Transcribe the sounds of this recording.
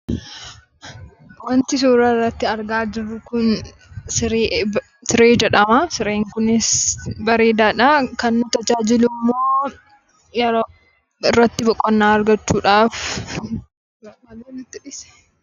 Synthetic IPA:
wɐnt̪ɪsuːɾɐɪrːɐt̪ːɪɐɾɡaːd͡ʒɪɾːʊkʊn | sɪɾeː | sɪɾeːd͡ʒɛᶑɐmasɪɾeːŋkʊnɪsbɐɾeːd̪aːᶑɐkɐnːʊt̪ɐd͡ʒaːd͡ʒɪlʊmːoː | jɛɾoː | ɪrːɐt̪ːɪbɔkʼːɔnːaːɐɾɡɐt͡ʃːuːᶑaːf | ɐmɐleːnɪt̪ːɪᶑɪsɛ̥

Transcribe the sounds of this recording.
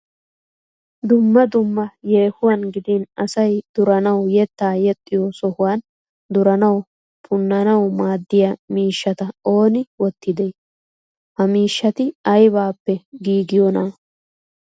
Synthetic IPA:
d̪ʊmːɐd̪ʊmːɐjeːhʊwɐnɡɪd̪inɐsɐjd̪̥ʊɾɐnɐwjɛt̪ːaːjɛt̪ʼːɪjɔsɔhʊwaːn | d̪ʊɾɐnɐw | pʰʼʊnːɐnɐwmaːd̪ːɪjɐmiːʃːɐt̪ɐo̞ːnɪwɔt̪ːɪd̪ej | hɐmiːʃːɐt̪ɪɐjbaːpːɛɡiːɡɪjɔnaː

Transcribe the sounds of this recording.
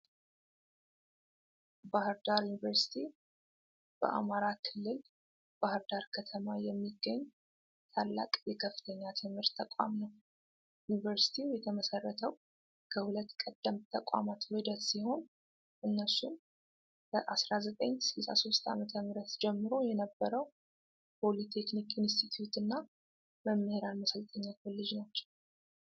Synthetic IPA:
bahɨɾd̪aɾjunivəɾsi̥t̪ʰi | b̥ə̰ʔa̰maɾakʰɨlːɨl | b̥ahɨɾd̪aɾkʰət̪ʰəmajɛmːiɡːəɲː | t̪ʰalːa̰kʼjɛkʰəfːɨ̥t̪ʰəɲːat̪ʰɨmhɨɾt̪ʰːəkʷʼa̰mnəw | junivəɾsi̥t̪ʰijɛt̪ʰəməsərːət̪ʰəw | kʰəhulət̪ːkʼəd̪̥ːəmt̪ʰəkʼa̰mat̪wɨd̪ət̪siho̞n | ʔɨnːəsun | kəʔasɾazət̪ʼəɲːsɨlsa̰so̞st̪a̰mət̪ʰəmɨɾət̪d͡ʒɛmːɨɾo̞jɛnəbːəɾəw | pʰo̞lit̪ʰe̞knikinst̪ʰit̪ʰjut̪ɨnːa | məmːəheɾalməsəlt̪ʰʼəɲːaəlːɨd͡ʒnat͡ʃːɛw

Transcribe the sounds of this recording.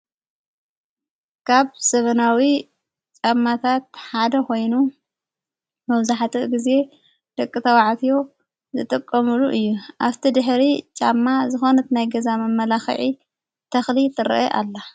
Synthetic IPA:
kʰaβsɐβɐnawi | t͡ʃʼamːat̪ʰat̪̚ħad̪ɐkʰo̞jnu | mɐβzaħt̪ʰiʔɡize̞ | d̪̥ɐkʼːɨt̪ʰɐwaʕt̪ʰijo̞ | zɨt̪ʼɨkʼːɐmuluʔɨjːuʔaβt̪ʰid̪ɨħɾit͡ʃʼamːazɨxo̞nɨt̪najɡɐzamɐmːɐlaxɨ̰ʕi | t̪ʰɐxlit̪ʰɨɾɐ̰ʔɐʔa̰lːa

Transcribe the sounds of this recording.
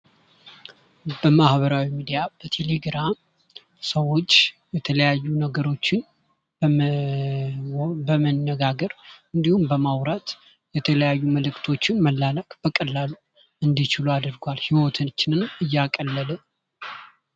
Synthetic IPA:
bəmahbəɾawimid̪ijab̥ət̪ʰe̞le̞ɡɾam | səwo̞t͡ʃːjɛt̪ʰələjajːunəɡəɾo̞t͡ʃːɪn | bəmənːəɡaɡəɾɨnd̪ihumbəmawɾat̪ | jɛt̪ʰələjajːuməlɨkt̪ʰo̞t͡ʃːɪnməlːaləkʼb̥əkʼəlːalːu | ʔɨnd̪it͡ʃɪluad̪ɨɾɡʷalhiwot̪ʰɨt͡ʃːɪnɨnɨjːakʼəlːələ

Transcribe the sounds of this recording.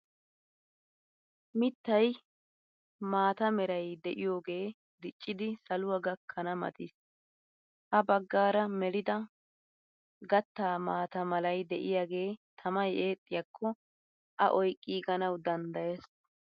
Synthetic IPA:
mɪt̪ːɐj | maːt̪ɐmɛɾɐjd̪ɛʔɪjo̞ːɡe̞ː | d̪ɪt͡ʃʼːɪd̪ɪsɐlʊwɐɡɐkʰːɐnɐmɐ̰t̪ɪs | ʔɐbɐɡːaːɾɐmɛɾɪd̪ɐ | ɡɐt̪ːaːmaːt̪ɐmɐlɐjd̪ɛʔɪjaːɡe̞ːt̪ʰɐmɐjʔe̞ːt̪ʼːɪjɐkʰːɔ | ʔɐ̰ʔɔjkʼːiːɡɐnɐwd̪ɐnd̪ɐjes

